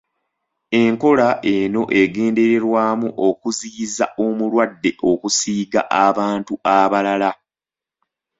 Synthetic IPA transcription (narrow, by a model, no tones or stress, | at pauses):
e̞ŋko̞laʔe̞no̞ʔe̞ɡe̞ːnde̞ɾe̞ɾwaːmuʔo̞kuzizaʔo̞mulwadːe̞ʔo̞kusiːɡa̰ʔaβaːntuaβalala